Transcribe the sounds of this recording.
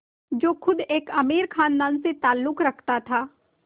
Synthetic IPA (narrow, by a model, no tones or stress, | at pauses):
d͡ʒoːkʰʊd̪eːkɐmiːɾkʰaːnd̪aːnset̪aːlːʊkɾɐkʰt̪at̪ʰaː